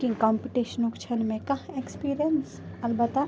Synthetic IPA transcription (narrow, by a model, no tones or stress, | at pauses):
kĩŋkãːmpiʈiʃənukt͡ʃʰənmẽkɐɦekspiːɾijənsɐlbət̪a